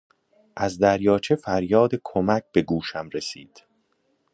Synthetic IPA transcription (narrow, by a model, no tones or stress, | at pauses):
ʔæzd̪æɾjɒːt͡ʃʰe̞fæɾjɒːd̪e̞kʰomæc̚ʰb̥e̞ɡuːʃæmɾesiːd̪̥